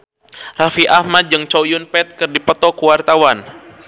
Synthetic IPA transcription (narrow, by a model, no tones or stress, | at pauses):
rafiʔahmat̪̚d͡ʒɨŋt͡ʃojʊnpɛt̪̚kɨrdipət̪ɔkuwart̪awan